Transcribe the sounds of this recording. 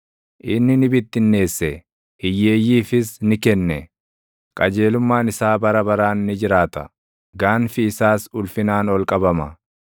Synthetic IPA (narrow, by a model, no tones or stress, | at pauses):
ʔɪnːɪnɪbɪt̪ːɪnːe̞ːsːɛ | ɪjːe̞ːjːiːfɪsnɪkɛnːɛ | kʼɐd͡ʒe̞ːlʊmːaːnɪsaːbɐɾɐbɐɾaːnːɪd͡ʒɪɾaːt̪ɐ̰ | ɡaːnfɪːsaːsʊlfɪnaːnɔlkʼɐbɐmɐ